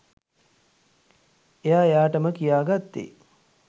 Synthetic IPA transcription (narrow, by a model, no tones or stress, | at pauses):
ejaːejaːʈəməkijaːɡat̪ːḛː